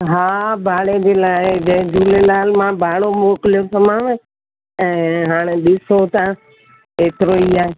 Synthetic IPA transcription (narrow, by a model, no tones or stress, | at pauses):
ɦaːbʱaːɽed͡ʑeːlaːɪd͡ʑɐɦd͡ʑuːlelaːlmãbʱaːɽomoːklijosəmãːʋ | ɛ̃ːɦaːɽ̃eɗɪsot̪ã | eːt̪ɪɾoiːaːɦeː